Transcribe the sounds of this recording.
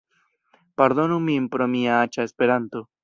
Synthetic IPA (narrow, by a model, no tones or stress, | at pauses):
paɾðonumiempɾomiaat͡ʃaespeɾant̪o